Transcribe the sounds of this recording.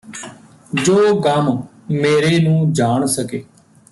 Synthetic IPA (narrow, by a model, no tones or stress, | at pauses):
d͡ʒoːkəm | meːɾeːnũːd͡ʒaːɳsəkeː